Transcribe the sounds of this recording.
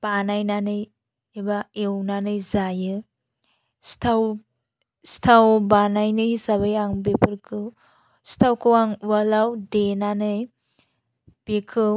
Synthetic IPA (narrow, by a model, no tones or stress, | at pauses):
b̥anajnanɯj | ebaewnanɯjzajɯ | stʰaw | stʰawbanajnɯjsaβajaŋbepʰɯɾkʰɯw | stʰawkʰɯwaŋwalawdenanɯj | b̥ekʰɯw